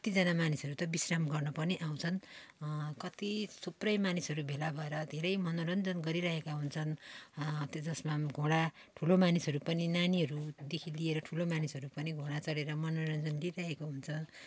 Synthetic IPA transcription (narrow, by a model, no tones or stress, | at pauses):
kʌt̪id͡zʌnamanisɦʌɾut̪ʌbisrʌmɡʌrnʌpʌniʔaw̃t͡sʰʌn | kʌt̪isuprʌjmanisɦʌɾubʱelabʱʌeɾʌd̪ʱeɾʌjmʌnoɾʌnd͡zʌnɡʌɾiɾaɦekaɦunt͡sʰʌn | t̪ed͡zʌsmaɡʱoɽa | ʈʰulomanisɦʌɾupʌninaniɦʌɾud̪ekʰilieɾʌʈʰulomanisɦʌɾupʌniɡʱoɽat͡sʌɽeɾʌmʌnoɾʌnd͡zʌnliɾaɦekoɦunt͡sʰʌ